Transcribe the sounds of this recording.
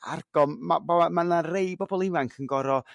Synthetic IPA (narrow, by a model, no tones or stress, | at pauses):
a̰rɡ̥ɔmmabaamanarejbɔbɔlˠɪvaŋkʰənɡɔɾɔ